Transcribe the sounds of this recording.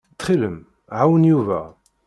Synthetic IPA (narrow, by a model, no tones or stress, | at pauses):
t̪χiləm | ʕawənjuvæ̰